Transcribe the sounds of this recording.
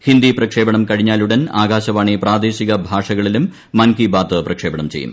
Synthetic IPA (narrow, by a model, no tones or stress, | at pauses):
hind̪iprɐkʂe̞ːbɐɳɐmkɐɻiɲːaːluɽɐnaːɡaːɕɐʋaːɳipraːd̪eːɕiɣɐbʱaːʂɐɣɐɭilumː | ɐnkibaːt̪ɨprɐkʂe̞ːbɐɳɐmt͡ɕe̞̰jṵm